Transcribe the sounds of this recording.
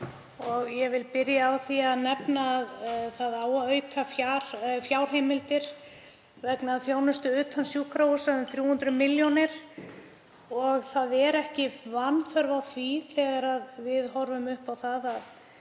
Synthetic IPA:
ɔɣjɛvɪlpɪɾjaːwθiaðnɛpnaːðθaðaːwœɥkʰafjaɾfjaːwɾ̥ɦeːjmɪlt̪ɪɾ̥ | vɛknaðfjoːwnʏst̪ʏʏːt̪ʰansjuːkɾausaðʏmθɾjuːhʏnt̪ɾʏmɪljonɪɾ̥ | ɔɣθaðɛɾɛhcɪvanfœɾvawθviθɛɣaɾaðvɪðɦɔɾvʏmʏhpawθaðað

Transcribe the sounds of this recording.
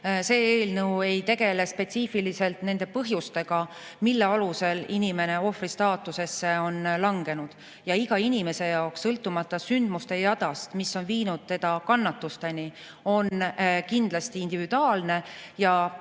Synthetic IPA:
se̞ːeːlnɤwe̞jt̪e̞ɡe̞le̞spe̞t̪siːfilise̞lt̪ne̞nd̪e̞pɤ̞ɦjust̪e̞ɡ̥ɑ | milːe̞ɑluse̞linime̞ne̞o̞frist̪ɑːt̪ːˑuse̞sːe̞o̞nlɑŋɡe̞nud̪̥ | jɑiɡ̥ɑinʲime̞se̞jɑoksːɤlt̪ːˑumɑt̪ːˑɑsynd̪̥must̪e̞jɑd̪̥ɑst̪misːo̞nviːnud̪̥̚t̪e̞d̪̥ɑkɑnːɑt̪ːust̪e̞ni | o̞nkind̪̥lɑst̪iːnd̪̥ivid̪̥uɑːlne̞jɑ

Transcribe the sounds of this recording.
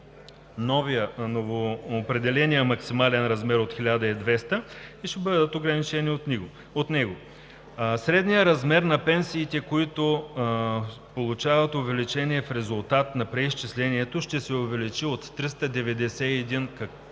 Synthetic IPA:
nɔvijənovoːpɾɛd̪ɛlɛnijəmɐksimalɛnɾɐzmɛɾot̪xilʲad̪ɐid̪vɛst̪əiʃɛbəd̪ət̪oɡɾɐnit͡ʃɛniot̪niɡo | ot̪nɛɡo | sɾɛd̪nijəɾɐzmɛɾnɐpɛnsiːt̪ɛkoit̪o | polˠut͡ʃavɐt̪ovɛlit͡ʃɛniɛfɾɛzʊlˠt̪at̪nɐpɾɛist͡ʃislɛniɛt̪oʃt̪ɛsɛʊvɛlit͡ʃiot̪ːɾist̪əd̪ɛvɛd̪ɛsɛɛd̪inkɐ

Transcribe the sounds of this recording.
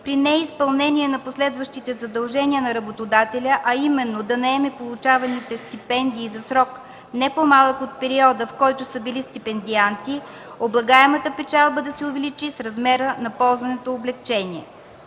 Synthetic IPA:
pɾinɛispɐlˠnɛniɛnɐposlɛd̪vəʃt̪it̪ɛzɐd̪ɐlˠʒɛniənɐɾɐbot̪od̪at̪ɛlʲəʔɐimɛnːod̪ɐnɐɛmɛpolˠut͡ʃavɐnit̪ɛst̪ipɛnd̪iːzɐsɾɔk | nɛpomalˠəkot̪̚pɛɾiɔd̪əfkɔjt̪ʊsəbilist̪ipɛnd̪iant̪i | oblˠɐɡaɛmət̪əpɛt͡ʃalˠbəd̪ɐsɛʊvɛlit͡ʃisɾɐzmɛɾənɐpɔlˠzvɐnɛt̪oːblɛkt͡ʃɛniɛ̰

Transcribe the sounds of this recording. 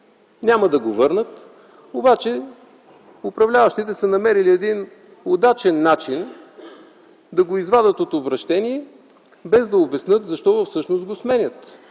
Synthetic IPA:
nʲamɐd̪ɐɡovɤɾnət̪ | obat͡ʃɛ | ʊpɾɐvlʲavəʃt̪it̪ɛsənɐmɛɾiliɛd̪in | od̪at͡ʃɛnːat͡ʃin | d̪ɐɡoizvad̪ət̪ot̪obɾɐʃt̪ɛniɛ | bɛzd̪ɐobɛsnɤt̪zɐʃt̪ɔvəfsɤʃnost̪ɡosmɛnʲət̪

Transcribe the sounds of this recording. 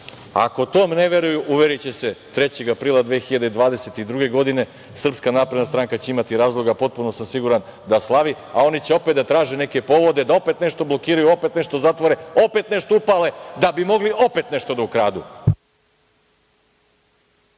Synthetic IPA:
a̰ko̞t̪oːmneʋeɾujuʔuʋeɾit͡ɕese̞t̪ɾe̞t͡ɕeɡapɾiːlad̪ʋeːxiʎad̪eid̪ʋaːd̪e̞set̪id̪ɾuɡe̞ɡo̞d̪ine̞ | sr̩pskanaːpɾe̞d̪nast̪ɾaːŋkat͡ɕeimat̪iɾaːzlˠo̞ɡapo̞t̪̚punosamsiɡuɾan | d̪aslˠaʋi | ao̞nit͡ɕeo̞pet̪at̪ɾaːʒene̞ke̞po̞ʋo̞d̪ed̪ao̞pe̞t̪neʂt̪o̞blˠo̞kiːɾajuo̞pe̞t̪ne̞ʃt̪o̞zat̪ʋoɾeo̞pet̪ne̞ʂt̪oupale̞d̪abimo̞ɡliʔo̞pe̞t̪ne̞ʂt̪o̞d̪aukɾaːd̪u

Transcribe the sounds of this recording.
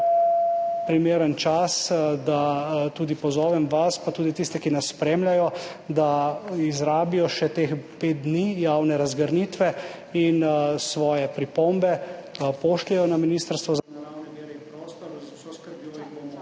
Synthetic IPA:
pɾimeːɾənt͡ʃasd̪at̪uːd̪ipɔzɔːʋɛmʋaspat̪uːd̪it̪ist̪ɛkinasːpɾeːmlʲajɔd̪aizɾaːbijɔʃɛt̪eːxpeːt̪̚d̪nijawnɛɾazɡəɾnit̪ʋɛ | insʋɔːjɛpɾipombɛpoːʃlɛjɔnaminist̪əɾst̪ʋɔz

